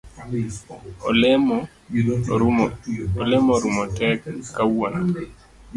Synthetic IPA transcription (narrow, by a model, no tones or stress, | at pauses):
ɔlɛmɔ | olɛmɔɾumɔtɛkːawɔna